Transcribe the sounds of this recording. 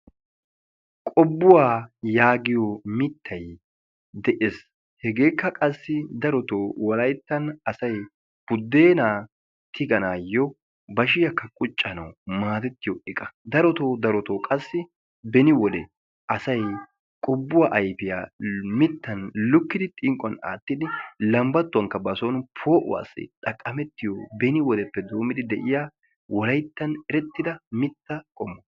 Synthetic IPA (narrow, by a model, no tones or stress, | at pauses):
kʼɔbːʊwaːjaːɡɪjomɪt̪ːɐj | d̪ɛʔes | hɛɡe̞ːkːɐkʼɐsːɪd̪ɐɾɔt̪oːwɐlɐjt̪ːɐnɐsɐj | b̥ʊd̪ːe̞ːnaː | t̪ʰɪɡɐnaːjɔ | bɐʃ̬ɪjɐkːɐkʼʊt͡ʃʼːɐnɐ̰wmaːt̪ɛt̪ːɪjɔʔɛkʼɐ̥d̪ɐɾɔt̪oːd̪ɐɾɔt̪oːkʼɐsːɪ | bɛnɪwɔd̪ɛ | ɐsɐj | kʼʊbːʊwaʔɐjpɪja̰ːmɪt̪ːɐnlʊkːɪd̪ɪt̪ʼɪŋkʼːɔna̰ːt̪ːɪd̪ɪlɐmbɐt̪ːʊwɐŋkːɐbɐsonpʰo̞ːʔʊ̰wa̰ːsːɪ̰t̪ʼɐkʼːɐmɛt̪ːɪjɔbɛnɪwɔd̪ɛpːɛd̪o̞ːmːɪd̪ɪd̪ɛʔɪjaː | wɔlɐjt̪ːɐnɛɾɛt̪ːɪd̪ɐmɪt̪ːɐkʼɔmːɔ